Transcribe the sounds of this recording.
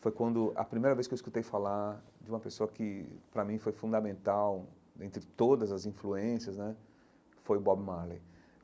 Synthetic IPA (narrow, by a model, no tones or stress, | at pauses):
fojkwɐ̃nd̪ʊʔɐ̰pɾimejɾɐveskewiskut̪ejfala | d͡ʒɪũmɐpesoɐkɪpɾɐmĩfojfũd̪ɐmẽnt̪aw | d̪ẽnt̪ɾɪt̪od̪ɐzɐzĩfluẽsiɐznɛ | fojbɔbmalḛ